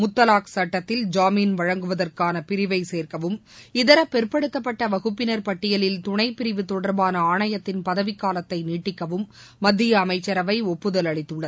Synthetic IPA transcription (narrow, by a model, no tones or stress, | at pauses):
mʊt̪ːɐlaːksɐʈːɐt̪ːɪld͡ʒaːminʋɐɻɐŋɡɯʋɐðɐrkaːnɐpɪɾɪʋɐɪseːrkɐʋɯmɪðɐɾɐpɛɾpɐɽɯt̪ːɐpːɐʈːɐʋɐɣɯpːɪnɐɾpɐʈːɪjɐlɪlt̪ʊɳɐɪpːɪɾɪʋɯt̪ɔɽɐɾbaːnɐaːɳɐjɐt̪ːɪnpɐðɐʋɪkːaːlɐt̪ːɐɪniːʈːɪkːɐʋɯmː | ɐd̪ːɪjɐːmɐɪt͡ʃːɐɾɐʋɐɪɔpːɯðɐlɐɭɪt̪ːɯɭːɐð